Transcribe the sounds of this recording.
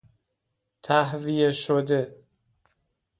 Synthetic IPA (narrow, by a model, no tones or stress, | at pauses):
t̪ʰæhvijeʃod̪e